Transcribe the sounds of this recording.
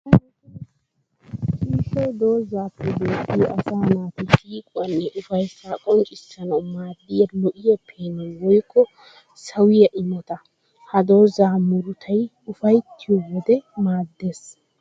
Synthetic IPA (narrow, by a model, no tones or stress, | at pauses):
ʃʼiːʃɛjd̪o̞ːzːaːpːɛbeːkːɪjɔʔɐsaːnaːt̪ɪʃiːkʼʊɐnːɛʔʊfɐjsːaːkʼɔnt͡ʃʼɪsːɐnɐwmaːd̪ːɪjɐlɔʔɪjɐpʰːeːnɐnwɔjkːɔ | sɐwɪjɐʔɪmɔt̪ɐ | hɐd̪o̞ːzaːmʊɾʊt̪ʰɐj | ʊfɐjt̪ːɪjɔwɔd̪ɛmaːd̪ːe̞ːs